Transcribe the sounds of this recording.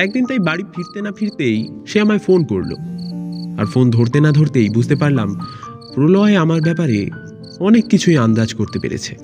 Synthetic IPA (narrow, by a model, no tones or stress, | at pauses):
ɛk̚d̪int̪ajbaɽifiɾt̪enafiɾt̪ejʃeamaefonko̰ɾlo̰ | a̰ɾfond̪ʱoɾt̪enad̪ʱoɾt̪ejbud͡ʑʱt̪epaɾlam | pɾoloaeamaɾbɛpaɾe | ɔnekːit͡ɕʰueand̪ad͡ʑkoɾt̪epḛɾḛt͡ɕʰe